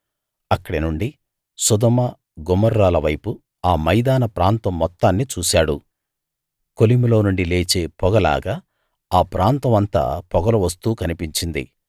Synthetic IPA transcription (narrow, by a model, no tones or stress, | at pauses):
ɐkːɐɽinuɳɖi | sud̪ɐmɐ | ɡɔmɐɾːaːlɐʋɐjpu | aːmɐjd̪aːnɐpɾaːnt̪ɐmːɔt̪ːaːnːit͡ʃuːsaːɽṵ | kolimulo̞ːnuɳɖile̞ːt͡ʃe̞ːpɔɡɐla̰ːɡaː | aːpɾaːnt̪ɐmɐnt̪a̰ːpɔɡɐluʋɐst̪uːkɐnipiɲt͡ʃind̪ḭ